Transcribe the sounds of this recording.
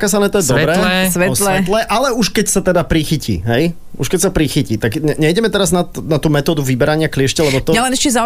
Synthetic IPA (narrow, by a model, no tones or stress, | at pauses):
kasanɛt̪ɔjɛd̪ɔɛɾɛɛsʋɛlɛɛt̪lɛʔalɛuʃkɛcsat̪ɛd̪apɾixicḭɦɛj | ṵʃkɛcsapɾixiciːt̪aɡɲɛɲɛjɟɛmɛt̪ɛɾaznanat̪uːmɛt̪ɔːd̪uʋibɛɾaɲɪaklɪɛʃcɛlɛbɔt̪ɔalɛnɛʃcɛza